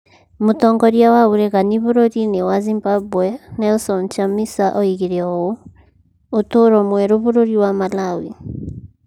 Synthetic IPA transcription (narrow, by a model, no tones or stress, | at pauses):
motɔːŋɡɔɾjawaoɾɛɣaniβoɾoɾinewazimbabwɛnɛɔsɔnt͡ʃamisaʔɔiɣeɾeɔo | otoɾɔmwɛɾoβoɾoɾiwamalawḭ